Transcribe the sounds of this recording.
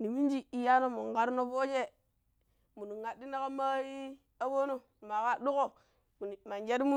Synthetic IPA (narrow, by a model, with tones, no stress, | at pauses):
ni˨mi˦n˦d͡ʒi˦i˨ja˦no˦mu˨ŋ˨ɡa˦ɾno˦fo˦d͡ʒe˦ | mu˨nu˨ŋa˨di˦na˦ka˦ma˦ji˦ | a˦bo˦no˦˨ma˨ka˦du˦ko˦˨ | m˨ma˨nd͡ʒe˦ɾi˦mu˦